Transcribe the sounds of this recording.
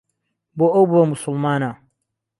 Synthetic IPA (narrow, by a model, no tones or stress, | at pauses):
boːʔɐwbuwɐmʊsʊlˠmaːna